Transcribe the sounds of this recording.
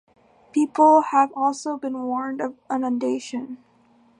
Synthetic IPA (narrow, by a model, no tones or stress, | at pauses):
pipl̩ˠəvɔlˠsoʊbɨ̃nwɔɹndʌvənə̃ndeɪʃɨ̃n